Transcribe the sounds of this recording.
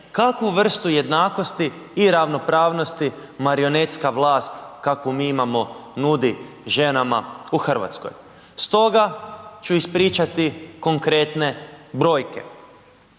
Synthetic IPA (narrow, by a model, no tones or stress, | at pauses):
kakuʋr̩st̪uje̞d̪naːko̞st̪iː | ɾaʋno̞pɾaːʋno̞st̪imaɾio̞net̪skaʋlˠaːst̪kakomiːimamo̞nud̪i | ʒe̞nama̰uxr̩ʋa̰t̪sko̞̰j | st̪o̞ɡat͡ʃuispɾiːt͡ʃat̪iko̞ŋkɾe̞t̪ne̞bɾo̞ːjke̞̰